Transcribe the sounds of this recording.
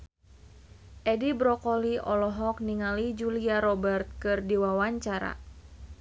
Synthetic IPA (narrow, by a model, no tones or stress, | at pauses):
ʔɛdibɾɔkɔliɔlɔɦɔk̚niŋalid͡ʒuliaɾɔbərt̪̚kɨrdiwawaɲt͡ʃaɾa̰